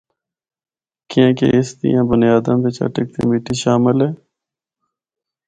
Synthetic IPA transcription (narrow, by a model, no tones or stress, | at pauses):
kɪãːkḛɪsd̪ḭjãːbʊnɪjaːd̪ãːbet͡ʃə̰ʈək̚t̪ḭmiːʈiːʃaːmɪlɦɛː